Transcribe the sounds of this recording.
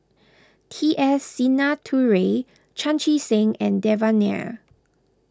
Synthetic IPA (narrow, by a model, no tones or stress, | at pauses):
tʰiʔɛsːinatʰuɹe | t͡ʃʰãnt͡ʃisẽŋɛ̰̃ndɛvanɛ̰